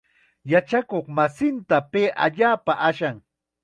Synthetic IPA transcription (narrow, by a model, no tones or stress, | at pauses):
jat͡ʃakoχmasɪnt̪apeːʔa̰ʎaːpaʔaʃaŋ